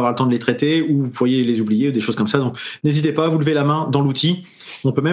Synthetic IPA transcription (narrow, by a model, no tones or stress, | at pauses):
vwaʁlət̪ɑ̃d̪əlet̪χɛt̪euvupʰuʁjelezublijeud̪eʃoz̥kɔmsad̪ɔ̃knezit̪epaːvuləvelamɛ̃d̪ɑ̃lut̪ʰiɔ̃pømɛ